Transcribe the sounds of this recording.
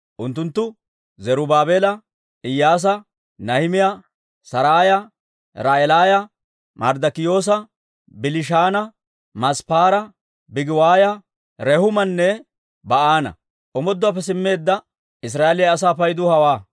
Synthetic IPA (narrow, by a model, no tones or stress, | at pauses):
ʔʊnt̪ːʊnt̪ːʊ | zɛɾʊbaːbeːlɐ | ɪjːaːs̬ɐ | nɐhɪmɪjɐ | sɐɾaːjɐ | ɾaʔɛlaːjɐ | mɐɾd̪ɐkɪjo̞ːs̬ɐ | bɪlɪʃaːnɐ | mɐspaːɾɐ | bɪɡɪwaːjɐ | ɾɛhʊmɐnːɛ | bɐʔaːnɐ̰ | ʔɔmɔd̪ːʊɐːpːɛs̬ɪmːe̞ːd̪ːɐ | ɪs̬ɾaːelɪjɐɐs̬aːpɐjd̪ʊhɐwaː